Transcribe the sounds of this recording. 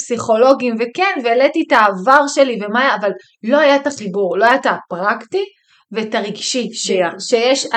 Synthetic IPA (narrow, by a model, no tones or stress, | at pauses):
psiχo̞lo̞ɡimvekenveːletitaːvaʁʃe̞livemaːjaːval | lo̞ajataχibuʁlo̞ajat̪apʁakti | vetaʁiɡʃiʃeʃejɛʃa